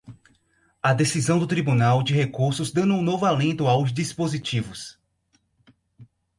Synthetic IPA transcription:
ɐd̪esizɐ̃w̃d̪ʊt̪ɾibunawd͡ʒɪɦekuɾsʊzd̪ɐ̃nuũnovʊalẽnt̪ʊawzd͡ʒispozit͡ʃivʊs

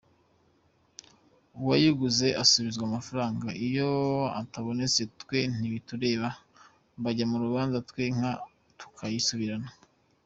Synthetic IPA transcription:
uwajiɡuze̞ʔasuβizɡwaːmafaɾaːŋɡaijo̞a̰taβo̞ne̞t͡se̞twe̞n̥iβituɾe̞ːβa | mbaɟamuɾuβaːnzatwe̞ŋ̥ha | tu̥kʰajisuβiɾana

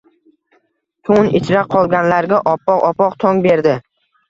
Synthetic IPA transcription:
t̪ʰʊnɪt͡ʃʰɾaqʰɒlˠɡʲanlaɾɡʲaʔɒpːɒqɒpʰɒqt̪ʰɒŋbe̞ɾd̪ɪ

